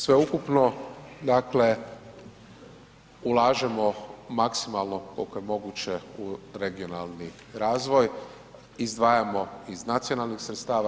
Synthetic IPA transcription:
sʋe̞ukupno̞d̪akle̞ | ulaːʒemo̞maksimalˠno̞ko̞lkojemo̞ɡut͡ɕeuɾeɡio̞na̰lˠni | ɾaːzʋo̞j | izd̪ʋaːjamo̞iznat̪sijo̞nalˠnixsɾet̪st̪aːʋa

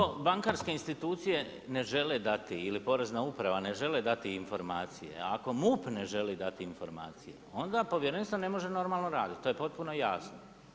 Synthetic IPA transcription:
obaŋkaɾske̞inst̪it̪uːt̪sije̞ | ne̞ʒe̞le̞d̪at̪iilipo̞ɾe̞znaupɾaʋane̞ʒe̞le̞d̪at̪iːnfo̞ɾmaːt̪sije̞̰ako̞muːpne̞ʒe̞lid̪at̪iːnfo̞ɾma̰ːt̪sije̞̰o̞nd̪apo̞ʋjeɾenst̪ane̞mo̞ʒe̞no̞ɾmalˠno̞ɾaːd̪it̪̚t̪ojepo̞t̪̚puno̞jasno

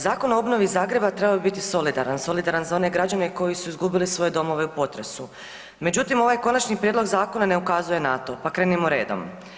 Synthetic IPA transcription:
zaːko̞noobno̞ʋizːaːɡɾe̞bat̪ɾe̞babibit̪iso̞lid̪aɾanso̞lid̪aɾanzao̞ne̞ɡɾad͡ʑane̞ko̞jisuizɡubilisʋo̞je̞d̪o̞mo̞ʋe̞upo̞t̪ɾe̞su | me̞d͡ʑut̪imo̞ʋajko̞nat͡ʃnipɾjed̪lo̞ɡzaːko̞nane̞ukazuje̞nat̪o̞pakɾe̞ːnimoɾe̞ːd̪o̞̰m

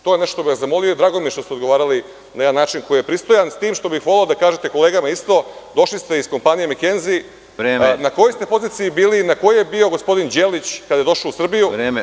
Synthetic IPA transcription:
t̪o̞je̞neʃto̥t̪obiʋaszamo̞liod̪ɾaɡomijeʃt̪ost̪ed̪ɡo̞ʋaːɾali | najed̪anːaːt͡ʃinko̞jijepɾist̪o̞janst̪iːmʃt̪o̞bixʋoleod̪akaːʒe̞t̪ekole̞ːɡamaist̪o̞d̪o̞ʃlist̪e̞isko̞mpanijemikenzi | ɾeːnakojost̪e̞po̞ziːt̪sijibiːlinako̞jojebio̞ɡo̞spo̞d̪ind͡ʑeːlit͡ɕkad̪ajed̪o̞ʃaousr̩bijuɾeːme

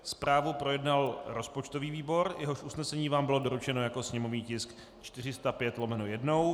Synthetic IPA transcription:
spɾaːvupɾo̞jɛdnalɾo̞spot͡ʃt̪o̞viːviːbo̞ɾjʔɛɦo̞ʃʔusnɛsɛɲiːvaːmbɪlo̞do̞ɾut͡ʃɛno̞jako̞sɲɛmo̞vɲiːcɪsk | t͡ʃt̪ɪr̝ɪst̪apjɛt̪lomɛnojɛdno̞w

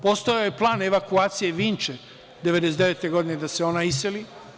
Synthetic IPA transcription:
post̪ojaoje̞plˠaːne̞ʋakuaːt̪sije̞ʋiːnt͡ʃe | d̪eʋed̪esd̪eeːt̪e̞ɡo̞d̪ined̪aseo̞naiseli

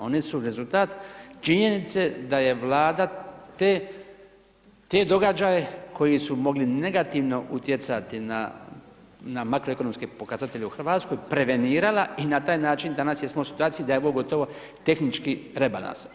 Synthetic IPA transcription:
o̞nesuɾe̞zult̪aːt̪t͡ʃiɲe̞nit̪se̞d̪aje̞ʋlˠaːd̪at̪e | t̪e̞d̪o̞ɡad͡ʒajekʰo̞jisumo̞ɡline̞ɡat̪iʋno̞ʔut̪je̞t̪sat̪ina̰ | namakɾo̞e̞konomskepo̞kazat̪e̞ʎeuxrɾʋaːt̪sko̞jpɾe̞ʋe̞niːɾalainat̪aːjnaːt͡ʃind̪anasjesmousi̥t̪uaːt̪siid̪ajeoʋoɡo̞t̪oʋo̞ | t̪e̞xnit͡ʃkiɾe̞ba̰lã̰ns

